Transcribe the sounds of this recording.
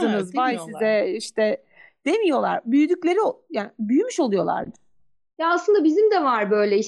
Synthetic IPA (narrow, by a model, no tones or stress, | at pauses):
ɯnɯzvajsizɛiʃt̪ʰɛ | d̪̥e̞mijo̞lˠa̰ɾbyjyd̪ycʲlʲe̞ɾiojaːnbyjymyʃo̞lˠujo̞lˠa̰ɾd̪ɯ̥ | jaːslɯnd̪abizimd̪ɛvaɾbø̞jlʲɛi